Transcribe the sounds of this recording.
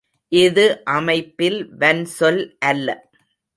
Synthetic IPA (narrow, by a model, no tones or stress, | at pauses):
ʔɪðɯʔɐmɐɪpːɪlʋɐnsɔlʔɐlːɐ̰